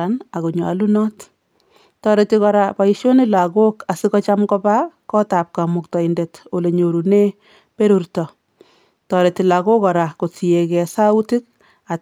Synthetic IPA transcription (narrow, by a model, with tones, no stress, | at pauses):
ana˨ku˨ɲa̰˨lu˦nɔ˦t | tɔ˨ɾe˨tikɔ˨ɾa˨pa˨iʃo˦ni˦la˨ko˦ka˨si˦kɔ˦t͡ʃa˦mkɔ˦pa˦kɔ˦ta˨p̚ka˨mʊ˨k̚tɔ˨i˨nde˨to˨le˨ɲo˨ɾu˨ne˦ | pe˦ɾu˨rtɔ˨ | tɔ˨ɾe˨ti˨la˨ko˦kɔ˨ɾa˨ko˨t͡si˨e˨kɛ˨sa˦u˦ti˦k̚ | a˨